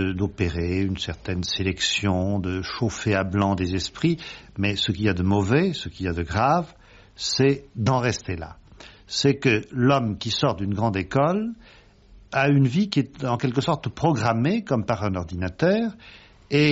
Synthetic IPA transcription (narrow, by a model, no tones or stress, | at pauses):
əd̪opeʁeynsɛʁt̪ɛnselɛksjɔ̃d̪əʃofeablɑ̃d̪ezɛspχimɛsəkʲilad̪əmɔvɛsəkʲilad̪əɡʁav | sɛd̪ɑ̃ʁɛst̪ela̰ | sɛkəlɔmkʲisɔʁd̪ynɡʁɑ̃d̪ekɔl | aynvikʲiɛt̪ɑ̃kɛlk̬əsɔʁt̪pχɔɡʁamekɔmpaʁɛ̃nɔʁd̪inat̪œːʁ | e